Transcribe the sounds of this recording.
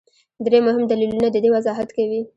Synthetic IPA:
d̪ɾemʊɦɪmd̪alilunad̪əd̪ewazɑɦat̪kawi

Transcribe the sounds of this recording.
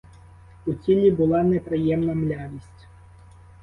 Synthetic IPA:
ut͡sʲilʲibʊlˠanɛpɾɪjɛmnɐmlʲaʋʲisʲtʲ

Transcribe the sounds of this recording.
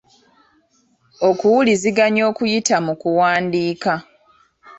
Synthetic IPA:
o̞kuwuliziɡaɲo̞ːkujitamukuwaːndiːka

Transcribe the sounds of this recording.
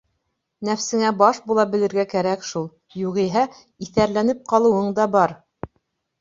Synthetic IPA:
næfsɘ̆ŋæbɑʃbulˠɑbɘ̆lɘ̆ɾɡækæɾækʃulˠ | juʁiɦæ | iθæɾlænɘp̚qɑlˠɤ̆wɤɴd̪ɑbɑɾ

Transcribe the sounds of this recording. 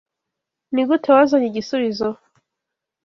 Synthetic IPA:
niɡutʰewazaɲiɡisuβizo

